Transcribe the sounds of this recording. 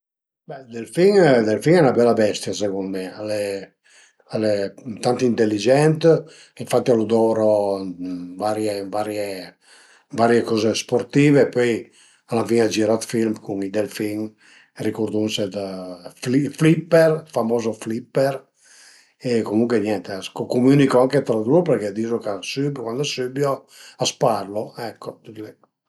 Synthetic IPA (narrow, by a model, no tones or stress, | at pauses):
bɛd̪elfiŋd̪elfiŋɛnabɛlabɛst̪jasekunmɛale | alet̪ant̪int̪elːid͡ʒɛnt̪ | iɱfat̪ːialud̪ɔɾo | vaɾjevaɾje | vaɾjekɔːzespoɾt̪iːvepɔj | alafiŋad͡ʒiɾat̪filmkuŋid̪ɛlfiŋ | rikuɾd̪unsed̪afliflipːɛɾfamɔːzoflipːɛɾ | ekomuŋkwenɛnt̪askokumynikɔaŋket̪ɾad̪upəɾkɛd̪iːzokasybkwand̪asybjo | asparloɛkʰːɔd̪lɛ